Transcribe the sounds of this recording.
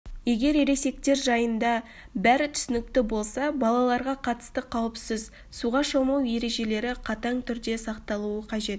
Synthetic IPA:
je̞ɡʲe̞ɾeɾe̞se̞k̚t̪e̞ɾʒɑjənd̪ɑ | bæɾɪt̪ʰʏ̥sɪnɪkt̪ɪbo̞lˠsɑbɑlˠɑlˠɑɾʁɑqʰɑt̪ə̥st̪əqʰɑwəpsɪz | suʁɑʃomɑwje̞ɾe̞ʒe̞le̞ɾɪqʰɑt̪ɑɴt̪ʰʏɾd̪e̞sɑqt̪ɑlˠuəqʰɑʒe̞t̪̚

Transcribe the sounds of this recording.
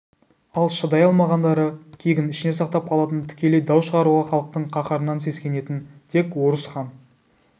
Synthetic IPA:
ɑlˠʃəd̪ɑjɑlˠmɑʁɑnd̪ɑɾəkʲʰe̞jɡʲɪnɪʃɪne̞sɑqt̪ɑp̚qʰɑlˠɑt̪ənt̪ʰɪ̥kʲe̞le̞jd̪ɑwʃəʁɑɾuʁɑχɑlˠəq̚t̪əɴqʰɑqɑɾənɑnse̞skʲe̞ne̞t̪ɪnt̪ʰe̞kwo̞ɾəsχɑn

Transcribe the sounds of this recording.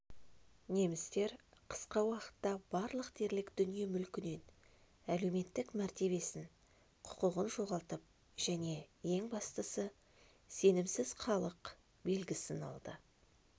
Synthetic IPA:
ne̞mɪst̪e̞ɾqʰə̥sqɑwɑqə̥t̪ːɑbɑɾlˠəqt̪ʰe̞ɾlɪkd̪̥ʏnije̞mʏlkʲɪne̞n | æle̞wme̞t̪ːɪkmæɾt̪e̞βe̞sɪŋ | qʰʊ̥qʊʁənʒo̞ʁɑlˠt̪əp̚ | ʒ̥æne̞je̞ŋbɑst̪əsə | se̞nɪmsɪz̥χɑlˠəq | be̞lɡʲɪsɪnɑ̰lˠd̪ə̰

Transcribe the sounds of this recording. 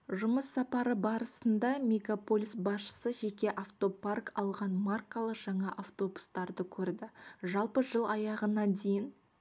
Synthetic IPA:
ʒʊməsːɑpɑɾəbɑɾəsənd̪ɑmʲeɡapo̞lʲisbɑsʃə̥səʒekʲe̞ʔaft̪o̞parkɑlˠʁɑnmarkalˠəqʒ̥ɑɴɑʔaft̪o̞bust̪ɑɾd̪əkʲʰɵɾd̪ɪʒɑlˠpəʒəlˠɑjɑʁənɑnd̪e̞jɪn

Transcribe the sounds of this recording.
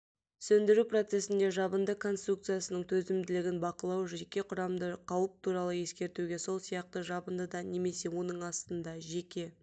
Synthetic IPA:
sɵnd̪ɪɾupro̞t̪se̞sɪnd̪e̞ʒɑbənd̪əkʰo̞nst̪ruk̚t̪sɨjasənəɴt̪ʰɵzɪmd̪ɪlɪɡʲɪnbɑqəlˠɑwʒekʲe̞qʰʊɾɑmd̪əqʰɑwəp̚t̪ʰuɾɑlˠəje̞skʲe̞ɾt̪uɡʲe̞so̞lˠsijɑq̚t̪əʒɑbənd̪əd̪ɑne̞me̞se̞wo̞nəɴɑst̪ənd̪ɑʒe̞kʲe̞

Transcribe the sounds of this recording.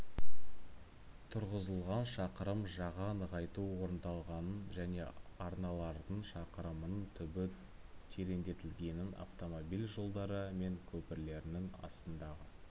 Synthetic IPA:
t̪ʰʊɾʁəzəlˠʁɑnʃɑqəɾəmʒɑʁɑnəʁɑjt̪uwo̞ɾənd̪ɑlˠʁɑnənʒæne̞̰ɑɾnɑlˠɑɾd̪əɴʃɑqəɾəmənt̪ʰʏbɪ | t̪ʰeɾe̞nd̪e̞t̪ɪlɡʲe̞nɪna̰ft̪o̞mobijlʲʒo̞lˠd̪ɑɾəme̞ŋkʲʰɵpɪɾle̞ɾɪnɪŋɑ̰st̪ənd̪ɑʁə

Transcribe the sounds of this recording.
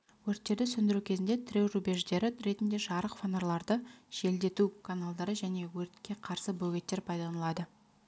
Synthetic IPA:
wɵɾt̪ːe̞ɾd̪ɪsɵnd̪ɪɾukʲʰe̞zɪnd̪e̞t̪ʰɪɾʲewrubeʒd̪e̞ɾɪɾe̞t̪ɪnd̪e̞ʒɑɾəqfonoɾlˠɑɾd̪əʒ̥e̞ld̪e̞t̪ukʰanalˠd̪ɑɾəʒæne̞wɵɾt̪kʲːe̞qʰɑɾsəbɵɡʲe̞t̪ːe̞ɾpʰɑjd̪ɑnəlˠɑd̪ə

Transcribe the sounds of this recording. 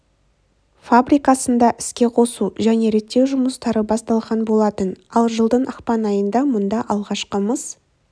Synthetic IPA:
fabɾijkɑsənd̪ɑʔɪskʲe̞qʰo̞suʒæne̞ɾe̞t̪ːe̞wʒʊməst̪ɑɾəbɑst̪ɑlˠʁɑnbo̞lˠɑt̪ənɑlˠʒəlˠd̪əɴʔɑqpɑnɑjənd̪ɑmʊnd̪ɑʔɑlˠʁɑʃqəməs

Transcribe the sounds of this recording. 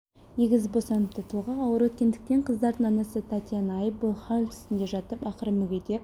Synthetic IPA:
ne̞ɡʲɪzbo̞sɑnəp̚t̪ʰət̪ʰuʁɑɑwəɾwɵt̪̚kʲe̞nd̪ɪk̚t̪e̞ɴqʰəzd̪ɑɾd̪əɴɑnɑsət̪ʰat̪janɑjəp̚bʊlˠχalʲt̪ʰʏ̥st̪ɪnd̪e̞ʒɑt̪əpɑqəɾəmʏɡʲed̪e

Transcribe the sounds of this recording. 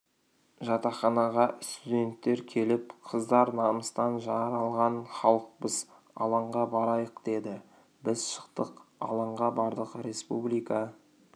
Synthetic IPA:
ʒɑt̪ɑχɑnɑʁɑst̪ud̪ʲe̞nt̪ːe̞ɾkʲʰe̞lɪpqʰəzd̪ɑɾnɑməst̪ɑnʒɑɾɑlˠʁɑnχɑlˠəq̚bəz | ɑ̰lˠɑɴʁɑbɑɾɑjəqd̪e̞d̪ɪ | bɪzʃə̥qt̪əqɑ̰lˠɑɴʁɑbɑɾd̪əqəɾe̞spṵblijkɑ

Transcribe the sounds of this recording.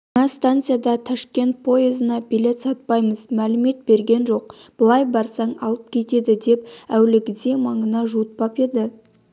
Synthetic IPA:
ɑŋɑst̪ant̪sɨjad̪ɑt̪ʰɑʃkʲe̞nt̪̚pʰo̞ezənɑbile̞t̪sɑt̪̚pɑjməzmælɪme̞t̪̚be̞ɾɡʲe̞nʒo̞q̚b̥əlˠɑjbɑɾsɑɴɑlˠəp̚kʲʰe̞t̪e̞d̪ɪd̪e̞p̚æwlɪɡʲɪd̪e̞mɑɴənɑʒuət̪̚pɑpe̞d̪ɪ

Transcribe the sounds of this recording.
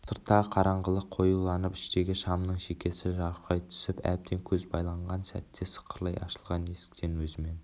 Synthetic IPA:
sʰəɾt̪ːɑqʰɑɾɑɴʁəlˠəqʰo̞julˠɑnəpɪ̥ʃt̪e̞ɡʲɪʃɑmnəɴʃekʲe̞sɪʒɑɾɑjt̪ʰʏ̥sɪpæ̰p̚t̪ʰe̞ŋkʲʰɵzbɑjlˠɑɴʁɑnsæ̰t̪ːesə̥qʰəɾlˠɑjɑ̰ʃəlˠʁɑne̞sɪ̥k̚t̪e̞nwɵzɪme̞n

